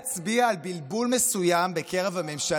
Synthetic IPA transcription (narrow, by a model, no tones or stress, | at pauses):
t͡sbiaːlbilbulmesujambe̞ke̞ʁevhame̞mʃa